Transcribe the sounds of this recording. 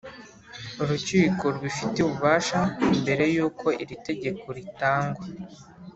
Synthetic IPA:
oɾuciːkoɾwifiteuβuβaːʃambe̞ɾe̞juːkʰo̞ʔiɾite̞ɟe̞ko̞ɾitaːŋɡwa

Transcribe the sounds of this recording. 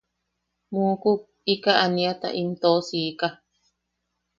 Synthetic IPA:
mũku | ikaʔanĩat̪a̰ʔimt̪osiːka

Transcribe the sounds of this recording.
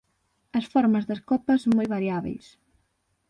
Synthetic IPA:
ɐsfɔɾmɐzðɐskɔpɐsoŋmojβaɾjaβḛjs

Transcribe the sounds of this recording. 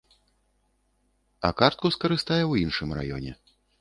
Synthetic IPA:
ɐ̰kart̪̚kuskɐɾɨst̪ajɛwinʂɨmra̰jɔ̰nʲɛ̰

